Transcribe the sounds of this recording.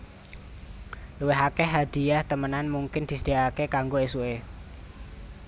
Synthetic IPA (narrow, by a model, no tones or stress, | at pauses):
luweɦakɛɦad̪̥i̤jaht̪əmənanmuŋkɪnd̪̥isəd̥̪eakekaŋɡoesue